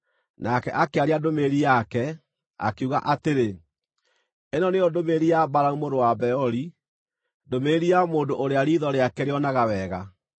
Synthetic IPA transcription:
nakɛʔakeaɾeadomeːɾiakɛ | a̰keuɣa̰ʔateɾe | enɔneodomeːɾiabaɾaumoɾowabɛɔɾi | domeːɾiamoːndoʔoɾeaɾiðɔɾeakɛɾeɔnaɣawɛːɣa

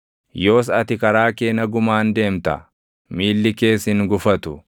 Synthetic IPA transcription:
jo̞ːs̬ɐt̪ɪkɐɾaːkeːnɐɡʊmaːnd̪e̞ːmt̪ɐ̰ | miːlːɪke̞ːsɪŋɡʊfɐt̪ʊ

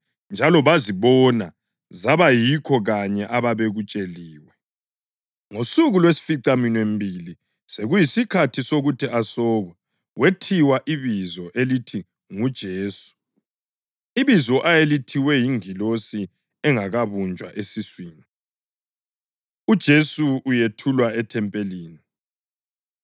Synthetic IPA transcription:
nd͡ʒʱalɔβaziβɔna | zaβajikʰɔɣaɲɛʔaβaβeɣut͡ʃʼeliːwɛ | ŋosuɣulwesi̥fiǀaminwembʱili | seɣujisikʰatʰisoɣutʰiʔasɔːɣwɛ | wʔetʰiwaʔiβizɔʔelitʰi | ŋud̥ʒ̥ʱeːsu̥ | iβizɔʔajelitʰiwɛjiŋilosi | ɛŋaɣaβunt͡ʃʼwa̰ʔesiswiːni | ud̥ʒ̥ʱesuːjetʰulwaɛtʰɛmpʼeliːni

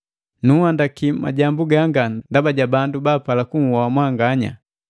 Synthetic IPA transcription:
nuhandakima̰ɟambuɡaŋɡandabaɟabandubaːpalakuŋ̩wawamwaŋɡaɲa̰

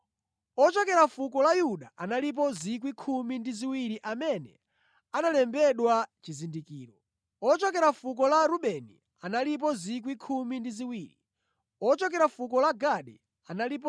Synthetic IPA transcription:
ɔt͡ʃɔkɛɾafukɔlajuɗaʔanalip̬ɔzik̬wikʰumindiziwiɾiʔamɛnɛ̰ | analɛmbɛɗwat͡ʃizindikiːɾɔ | ɔt͡ʃɔkɛɾafukɔlaɾuɓɛnḭ | analip̬ɔzik̬wikʰumindiziwiːɾi | ɔt͡ʃɔk̬ɛɾafuk̬ɔlaɡaɗɛ̰ | analip̬ɔ

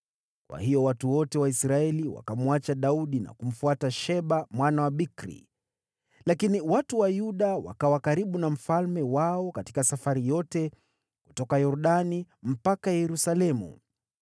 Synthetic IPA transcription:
kwa̰hijɔwatuwɔtɛwaisɾaɛliwa̰kamuat͡ʃaɗauɗina̰kum̩fuataʃɛɓamwanawaɓikɾḭ | lakiniwatuwajuɗawa̰kawakaɾiɓunam̩falmɛwaɔkati̥kasafaɾijɔtɛ | ku̥tɔkajɔɾuɗanim̩pakajɛɾusalɛmṵ

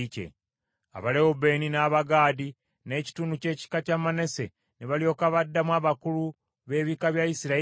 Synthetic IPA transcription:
cḛ | a̰βalehobe̞ninaːβaɡaːdi | ne̞ːci̥tunuce̞ːci̥kacamane̞se̞ | neβalio̞ːkaβadːamwaːβakulu | βe̞ːβikaβjaisiɾa

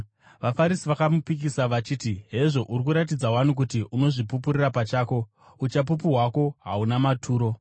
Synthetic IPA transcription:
ʋafaɾisiʋakamupik̬isaʋat͡ʃiːtiɦe̞ʐo̞ʔurik̬uɾat̬id͡zawanuk̬utiʔuno̞ʐipupuɾirapat͡ʃaːko̞ | ut͡ʃap̬up̬uɦwako̞ɦa̰unamatʰuːɾo̞

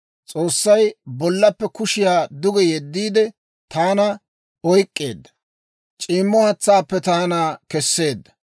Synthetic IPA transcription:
t͡sʼoːsːɐjbɔlːɐpːɛkʊʃɪjaːd̪ʊɡɛjɛd̪ːiːd̪ɛ | t̪aːnɐ | ɔjkʼːe̞̰ːd̪ːɐ̥ | t͡ʃʼiːmːɔhɐt͡sːaːpːɛt̪aːnaːkɛsːe̞ːd̪ːɐ

